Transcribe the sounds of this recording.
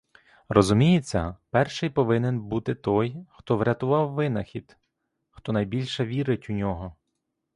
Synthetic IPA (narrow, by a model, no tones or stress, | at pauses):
rɔzʊmʲijet͡sʲːɐ̰pɛrʃɪjpɔʋɪnenbut̪ɪt̪ɔjxt̪ɔʋɾʲɐt̪ʊʋɑwːɪnɐxʲid̪̥ | xt̪ɔnɐjbʲilʲʃɛʋʲiɾɪtʲʊnʲɔɦɔ